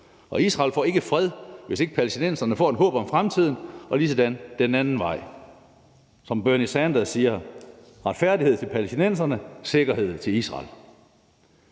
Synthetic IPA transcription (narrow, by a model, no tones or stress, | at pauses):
ʔɒ̽isʁɑ̈ːlfɒ̰ːe̝ɡ̥əfʁɛðˠʋe̝se̝ɡ̥əpʰælesd̥inen̰sɐnəfɒ̰ːe̝nɦɔ̰̽ːb̥ɒ̽mfʁamt͡sʰið̞̰ˠn̩ɒ̽lised̥ænd̥enænn̩ʋɑ̈ɪ̰ | sɒ̽mb̥øɐnisænd̥ɐsiːɐ | ʁɑ̈d̥fæɐ̰die̝ð̞̰ˠt͡sʰe̝lpʰælesd̥inen̰s̬ɐnəse̝ɡ̥ɐɦe̝ð̰ˠt͡sʰe̝lisʁɑ̰̈l